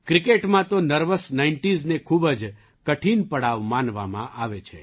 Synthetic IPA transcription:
kɾikeʈmãt̪onəɾʋəsnaiɳʈiznekʰubəd͡ʒ | kəʈʰinpəɽaʋmãnʋa̰mã̰ʔaʋet͡ʃʰḛ

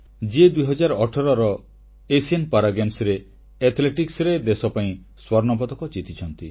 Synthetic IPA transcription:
d͡ʒed̪uijɦɔd͡ʒaɾɔʈʰɔɾɔɾɔ | esianpaɾaɡamsɾe | et̪ʰleʈiksɾed̪esɔpaĩ | swɔɾnɔpɔd̪ɔkɔd͡ʒit̪ʰit͡ʃʰɔnt̪i

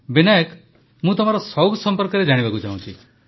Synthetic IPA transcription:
binajɔk | mũt̪ɔm̤aɾɔsɔwɡsɔmpɔɾkɔɾed͡ʒaɽ̃ibakut͡ʃaũt͡ʃʰi

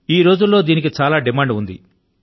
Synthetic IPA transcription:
iːɾo̞ːd͡ʒulːo̞ːd̪iːnik̬it͡ʃaːlaːɖimaːɳɖund̪ḭ

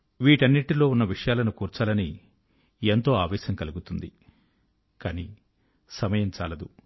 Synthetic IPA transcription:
ʋiːʈɐnːiʈilo̞ːunːɐʋiʂɐjaːlɐnukuːɾt͡ʃaːlɐni | ent̪o̞ːaːʋɛːʃɐŋkɐluɡut̪und̪i | kaːniː | sɐmɐjɐmt͡ʃaːlɐd̪u

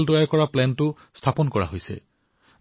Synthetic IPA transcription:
ldɔjaɹkɔɹaplɛntʊ | stʰapɔnkɔɹa̰ɦojsɛ̰

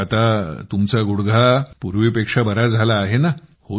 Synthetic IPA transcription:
at̪at̪umt͡saɡuɽɡʱapuɾʋipekʂabəɾad͡zʱalaːɦenaho

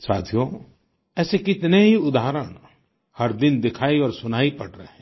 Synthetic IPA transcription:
sa̰ːd̪ʱijo | ɛːsekɪt̪neɦiʊd̪aːɾəɽ̃ | hɐɾd̪ɪnd̪ɪkʰaːiɔːɾsʊnaːipɐɽɾə̰ɦɛ̃ː

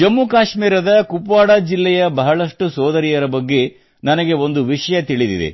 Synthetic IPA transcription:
d͡ʒɐmːukaːʂmiːɾɐd̪ɐkupʋaːɽaːd͡ʒilːɛjɐbɐɦɐɭɐʂʈusɔːd̪ɐɾijɐɾɐbɐɡːe̞ | nɐnɐɡe̞o̞nd̪uʋiʂɐjɐt̪iɭid̪ḭd̪ḛ

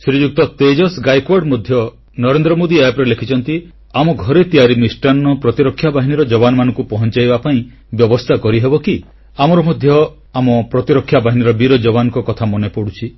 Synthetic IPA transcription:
sɾid͡ʒuk̚t̪ɔt̪ed͡ʒɔsɡajkwɔɖmɔd̪ʱjɔ | nɔɾend̪ɾɔmod̪iajapɔɾelekʰit͡ʃʰɔnt̪i | amɔɡʱɔɾet̪iaɾimisʈanːɔpɾɔt̪iɾɔkʰːjabaɦiniɾɔd͡ʒɔbanɔmanɔ̃ŋkupɔɦɔnt͡ʃajbapaĩ | bjɔbɔst̪ʰakɔɾiɦebɔki | amɔɾɔmɔd̪ʱjɔ | amɔpɾɔt̪iɾɔkʰːjabaɦiniɾɔbiɾɔd͡ʒɔbanɔ̃ŋkɔkɔt̪ʰamɔnepɔɽut͡ʃʰi

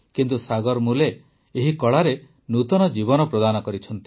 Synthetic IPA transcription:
kint̪usaɡɔɾmuleː | ɦikɔɭaɾe | nut̪ɔnɔd͡ʒibɔnɔpɾɔd̪anɔkɔɾit͡ʃʰɔnt̪i̥

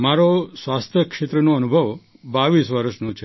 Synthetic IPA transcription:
maɾosʋast̪ʰjəkʃet̪ɾənũənubʱəʋ | baʋisʋəɾəʃnũt͡ʃʰe

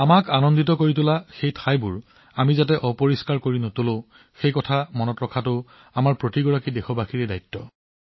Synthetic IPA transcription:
amakanɔnditɔkoɹit̬ʊlaxejtʰajbʊɹ | amizat̬ɛʔɔpoɹiskaɹkoɹinʊtʊlõ | xejkɔtʰamɔnɔtɹɔkʰatʊ | amaɹpɹotiɡɔɹakidexɔbaxiɹɛdajtːɔ

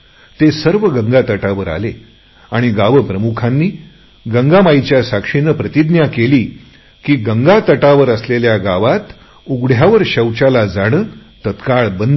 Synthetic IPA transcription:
t̪esəɾʋəɡəŋɡat̪əʈaʋəɾa̰le | aɽ̃iɡaʋəpɾəmukʰanːiː | ɡəŋɡamajt͡ɕjasakʂinəpɾət̪id̪njakeliː | kiːɡəŋɡat̪əʈaʋəɾəsleljaɡaʋat̪ | uɡɽ̤jaʋəɾɕəwt͡ɕalad͡zaɽ̃əːt̪ət̪kaɭbən

